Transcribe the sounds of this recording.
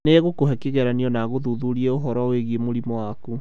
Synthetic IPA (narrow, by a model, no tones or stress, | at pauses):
neɣokoɦɛkeɣɛɾaniɔnaɣoðuðuɾiɛoɦɔɾaweɣiemoɾimɔwaku